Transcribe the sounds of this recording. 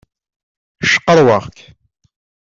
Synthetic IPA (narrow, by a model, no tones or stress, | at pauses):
ʃə̥qːəɾˤwɑʁk